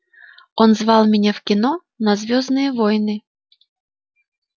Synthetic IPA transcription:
ɔnzʋɑlˠmʲɛnʲɛwkʲinɔ | nɐzʲʋʲɔznɨjɛʋɔjnɨ

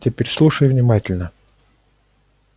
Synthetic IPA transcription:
tʲɪpʲeɾʲslˠuʂəjʊvnʲɪmatʲɪlʲnə

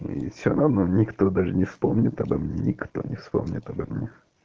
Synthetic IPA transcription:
ḭfsʲoɾɐvnonʲɪkt̪od̪aʐɨnʲɪfspomnʲɪt̪ɐbɐmnʲenʲɪkt̪o̰nʲɪfspomnʲɪt̪ɐbɐmnʲe

